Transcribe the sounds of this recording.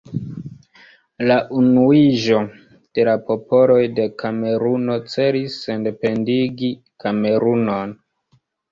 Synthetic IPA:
laʔunuiʒo̞ | d̥e̞lapo̞po̞lo̞jde̞kʰame̞ɾuno̞t͡se̞ɾisːende̞pe̞ndiɡi | kame̞ɾuno̞n

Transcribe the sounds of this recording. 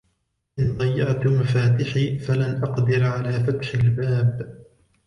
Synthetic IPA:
ʔɪnd̪ˤɑjːɪʔt̪ʊmafaːt̪ɪħiːfalanʔɑqd̪ɪɾʕalaːfat̪ħalbaːb

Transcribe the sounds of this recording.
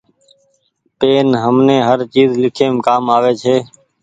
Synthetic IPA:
peːnɦəmnẽːɦəɾt͡ʃiːzlɪkʰeːmkaːmaːʋeːt͡ʃʰeː

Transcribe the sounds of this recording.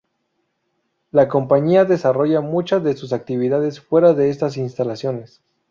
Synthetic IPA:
lako̞mpaɲiaðe̞saro̞ʝamut͡ʃazðe̞sus̬ak̚t̪iβiðaðe̞sfwe̞ɾaðe̞est̪as̬inst̪alasjo̞ne̞s

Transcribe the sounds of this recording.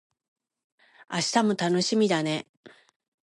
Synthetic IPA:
aɕi̥t̪amo̞t̪ano̞ɕimʲid̪ane̞

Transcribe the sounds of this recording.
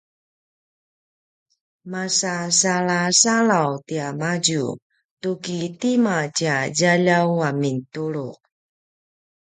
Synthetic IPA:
masasaɭasaɭawtiamad͡ʑṵ | tukitimat͡ɕaɟaʎawamintuɭu

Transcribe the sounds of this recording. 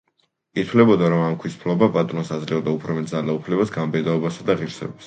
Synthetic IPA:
it̪ʰwlɛbɔd̪aɾɔmamkʰwispʰlɔbapʼat̪ʼɾɔnsad̪zlɛɔd̪aupʰɾɔmɛt̪̚zalaupʰlɛbasɡambɛd̪aɔbasad̪aʁiɾsɛ̰bis

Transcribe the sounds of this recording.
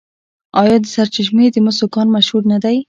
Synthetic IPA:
ɑjɑd̪əsaɾt͡ʃɪʃ̬med̪əmʊsokɑnmaʃhuɾnad̪aj

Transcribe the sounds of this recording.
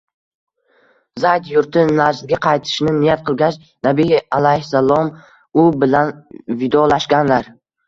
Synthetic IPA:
zajd̪jʊɾt̪ʰɪnad͡ʒɪlɡʲaqʰɑjt̪ʰɪ̥ʃnɪnɪjat̪̚qʰɨlˠɡʲat͡ʃ | nabialajhsalˠɒm | ʊbɪlanvɪd̪ɒlaʃɡʲanlaɾ

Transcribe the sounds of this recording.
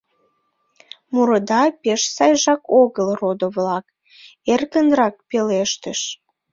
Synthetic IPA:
muɾəd̪ɑpeʃsɑjʒɑkoɣəlrod̪oβlɑk | erkənrɑk̚peleʃt̪əʃ

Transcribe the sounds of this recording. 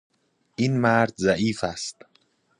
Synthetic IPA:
ʔiːnmæɾd̪zæʔiːfæst̪

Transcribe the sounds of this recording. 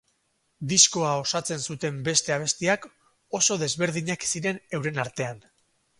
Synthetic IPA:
d̪isko̞ao̞sat͡se̞nsut̪e̞mbe̞st̪e̞aβ̞e̞st̪iak | o̞so̞ðe̞zβe̞ɾðiɲaksiɾe̞ne̞wɾe̞naɾt̪e̞an

